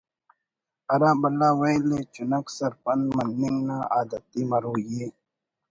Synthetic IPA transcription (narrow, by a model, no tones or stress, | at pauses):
ɐɾãːbɐlaːwejlet͡ʃunɐksɐɾpɐnmɐnːiŋnãːʔaːd̪ɐt̪imɐɾuːjeː